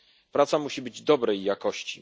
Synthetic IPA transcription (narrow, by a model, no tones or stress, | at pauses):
pɾat̪samuɕibɘd͡ʑd̪ɔbɾɛjːakɔɕt͡ɕi